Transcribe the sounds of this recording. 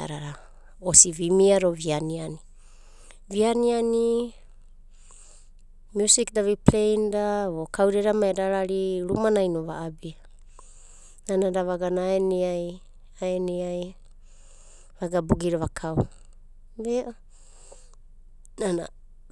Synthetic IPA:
a̰ɾaɾa | osivimiaɾovianiani | vianiani | mjusikdaβiplejndaβokʰawɾeɾamaedaɾaɾiɾumanajnoβaːbia | nanadaβaɡanaaeniaj | aeniaj | vaɡabuɡiɾaβakʰaw | beʔo | nana̰

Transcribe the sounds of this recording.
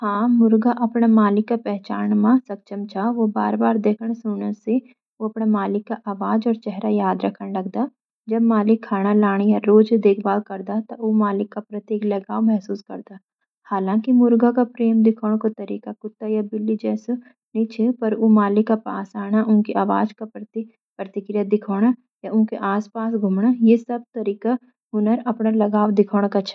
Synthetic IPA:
hãːmʊɾɡaʔɐpɽamaːlɪkːapɛɦt͡ʃaːñmãsɐk̚t͡ʃəmt͡ʃʰaʋoba̰ːɾbaːɾd̪eːkʰəɽ̃sʊnəse | oɐpɽ̃amaːlɪkːaʔaːʋaːd͡ʒɔːɾt͡ʃɛɦɾajaːd̪ɾəkʰəɽ̃lɐɡd̪a | d͡ʒɐbmaːlɪkʰːaːɽ̃alaːɽ̃jaɾoːd͡ʒd̪eːkʰbaːlkɐɾd̪at̪aomaːlɪkːapɾɐt̪eːklɐɡaːomɛɦsuːskə̰ɾd̪aː | haːlãːkimʊɾɡakapɾeːmd̪ɪkʰoːɽ̃kot̪ɐɾiːkakʊt̪ːajabɪlːid͡ʒɛːso | nĩt͡ʃʰepɐɾomaːlɪkːapa̰ːsaːɽ̃aʔʊnkiaːʋa̰ːd͡ʒkat̪ | pɾɐt̪ɪkɾijad̪ɪkʰoːɽ̃a | jaʔʊnkeʔaːspaːsɡʱʊmɽajesɐb̚t̪ɐɾiːka | ʊnəɾɐpnalɐɡaːʋd̪ɪkʰoːɽ̃kat͡ʃʰː

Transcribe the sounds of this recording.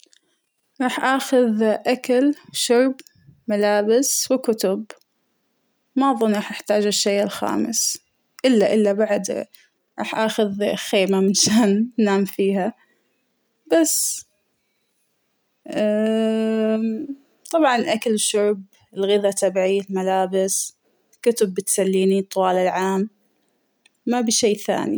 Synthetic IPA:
ɾˤɑːħʔaːxʊðʔakalʃʊʕb | malaːbɪswɪkʊt̪ʊb | maʔðˤʊnˤɑːħʔɪħt̪aːd͡ʒɪʃːejːɪlxa̰ːmɪ̰s | ʔɪlːaʔɪlːabaʕd̪ | ɾˤɑ̰ːħʔaːxʊðxeːmamɪnʃaːnnaːmfiːɦa | b̥as | t̪ˤɑbʕɑnʔakalʃʊb̚ | ɪlɣɪðat̪ʰabʕilmalaːbɪs | lkʊt̪ʊbːɪt̪salːiːnit̪ˤːwɑːlɪlʕaːm | abiʃeːθa̰ːnḭ

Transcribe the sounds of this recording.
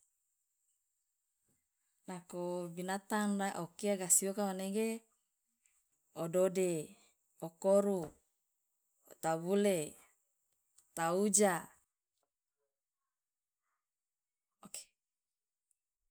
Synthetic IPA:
lakobinat̪aŋdaʔokiaɡasiokawaneɡe | odode | okoɾu | ot̪abule | t̪aud͡ʒa | oke̥

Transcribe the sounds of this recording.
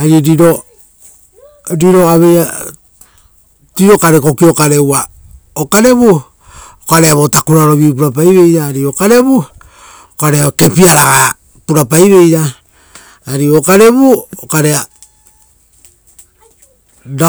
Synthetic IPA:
aɾiɾiɾo | ɾiɾo̞aβeja | tiɾo̞kaɾeko̞kio̞kaɾe̞wa | okaɾe̞βu | okaɾeaβo̞takuɾaɾoβip̬uɾap̬ajβe̞jɾaːɾio̞kaɾe̞bu | okaɾeake̞piaɾaɡa | puɾapajɾe̞jɾaː | ɾiokaɾe̞βuokaɾea | da

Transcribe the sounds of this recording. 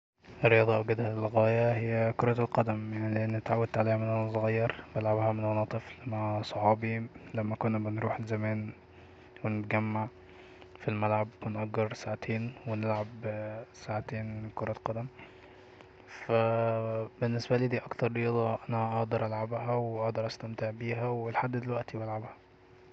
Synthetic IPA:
rːejɑːd̪ˤɑʔweɡæd̪hælːɣæːjæhejːækoɾˤɑlqɑd̪æmjaʕnileʔenːet̪ʕawːæd̪t̪ʕaleːhæmenʔænæsɣɑjːɑɾˤbelʕabhæmenmɑnɑːt̪ˤeflemasˤoħɑːbilæmːækonːæbenɾuːħelzæmæːn | wenet̪ɡæmːaʕ | filmælʕabenʔæɡːeɾsaʕat̪ʰeːnwenelʕabsaʕat̪eːnmekoɾˤɑqɑd̪æm | fæ | benːesbæliːd̪iːʔɑkt̪ɑɾˤɾejɑːd̪ˤɑʔænæʔɑʔd̪ˤɑɾˤʔælʕabhæweʔɑʔd̪ˤɑɾˤʔæst̪æmt̪eʕbiːɦæwelħad̪ːd̪elwæʔt̪ibælʕabhæ̥

